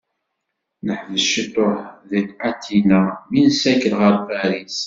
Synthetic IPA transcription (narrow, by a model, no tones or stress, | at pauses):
nəħvəʃit̪ˤoħðit̪at̪ʰːinaminsækəlʁəɾfæɾis